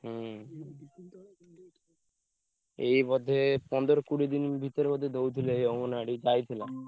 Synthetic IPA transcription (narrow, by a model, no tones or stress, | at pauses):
ɦ | ejmɔd̪ʱːepɔnd̪oɾokuɽid̪inbʱit̪oemɔd̪ʱːed̪owt̪ʰileejoŋonaɽid͡ʒajt̪ʰila